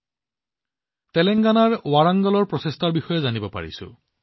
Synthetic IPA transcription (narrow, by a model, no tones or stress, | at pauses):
tɛlɛŋɡanaɹwaɹaŋɡɔlɔɹpɹɔsestaɹbixɔjɛzanibɔpa̰ɹḭsʊ̰